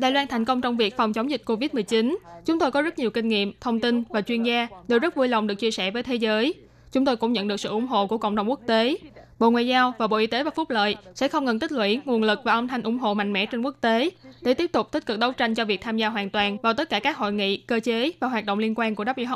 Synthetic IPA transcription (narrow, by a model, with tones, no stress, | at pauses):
ɗaː˨jlwaː˧nt̪ʰa˨˩ŋ̟kə˧wŋ͡mt͡ɕɔ˧wŋ͡mvi˨˩ək̚fwŋ͡mt͡ɕɔ˨˦wŋ͡mzï˨˩k̟̚ko˧vi˦˥t̚mɨ˨˩əjt͡ɕi˨˦nt͡ɕʊ˨˦ŋ͡mt̪o˧jkɔ˨˦zt̚ɲi˨˩əwkï˧ŋ̟ŋḭ˧˨əmt̪ʰə˧wŋ͡mt̪ï˧nvaː˨˩t͡ɕwi˧ənzaː˧ɗɨ˨˩zə˦˥t̚vu˧jla˨˩wŋ͡mɗɨ˨˩ək̚t͡ɕi˧əsɛ̰˧˩vəː˨˦jt̪ʰe˨˦zəː˨˦j | t͡ɕʊ˨˦ŋ͡mt̪o˧jkʊ̰˧˥ŋ͡mɲə̰˧˨nɗɨ˨˩əsɨ̰˧˨ʔʊ˧˦ŋ͡mɦo̰˧˨ku˧˩əkə̰˧˨wŋ͡mɗə˨˩wŋ͡mkk̚t̪e˨˦ɓo̰˧˨ŋwa̰ː˨jzaː˧wvaː˨˩ɓo̰˧˨ʔi˧t̪e˨˦vaː˨˩fʊ˦˥k͡p̚lə̰ː˧˨jsɛ̰˧˥xə˧wŋ͡mŋə˨˩nt̪ï˦˥k̚lwḭ˧˥ŋu˨˩ənlɨ˨˩k̚vaː˨˩ʔə˧ŋ͡mt̪ʰa˧ŋʔʊ˧˩ŋ͡mɦo̰˧˨ma̰˧˨jŋ̟mɛ̰˧˥t͡ɕe˧nku˦˥ək̚t̪e˨˦ɗe˧˩t̪i˦˥əp̚t̪ʊ˨˩k͡p̚t̪i˦˥t̚kɨ˨˩k̚ɗə˨˦wt͡ɕa˧jŋ̟t͡ɕɔ˧vi˨˩k̚t̪ʰaː˧mzaː˧ɦwaː˨˩nt̪waː˨˩nvaː˨˩t̪ə˦˥t̚kaː˧˩kaː˦˥k̚ho̰˧˨jŋḭ˧˨kəː˧t͡ɕe˨˦vaː˨˩waː˨˩ɗo̰˧˨ŋ͡mli˧ənkwaː˧nku˧˩əɗa˦˥p̚ḭ˧˦˧